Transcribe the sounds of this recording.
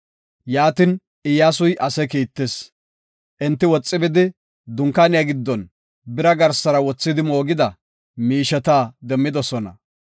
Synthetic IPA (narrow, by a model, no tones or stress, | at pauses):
jaːt̪ɪn | ʔɪjaːsʊjʔɐsɛkiːt̪ːes | ʔɪnt̪ːɪwɔt͡sʼːɪbɪd̪ɪ | d̪ʊŋkːaːnɪjɐɡɪd̪ːɔn | bɪɾɐɡɐɾsɐɾɐwɔt͡sːɪd̪ɪmo̞ːɡɪd̪ɐ | miːʃɛt̪aːd̪ɛmːɪd̪ɔsɔnɐ̰